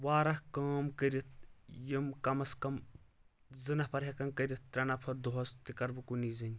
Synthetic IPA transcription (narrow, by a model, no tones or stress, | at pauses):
waːɾɐhkaːmkəɾit̪̚jimkɐmɐskɐm | zɨnɐhpʰɐɾɦʲɐkɐnkɐɾit̪̚ːɾʲɐnɐpʰɐd̪uɦɐst̪ikɐɾbɨkunizɐnʲ